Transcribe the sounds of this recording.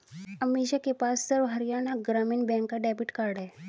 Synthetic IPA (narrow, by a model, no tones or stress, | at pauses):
əmiɕakepast̪əɾʋɦəɾijanaɡɾamiːnbɛ̃ŋkaɖɛbiʈkaɽa